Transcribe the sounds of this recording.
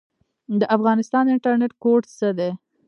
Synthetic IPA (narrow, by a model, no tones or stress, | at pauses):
d̪əʔafɣɑnɪst̪ɑnd̪əɪɳʈaɾneʈkoʈsəd̪e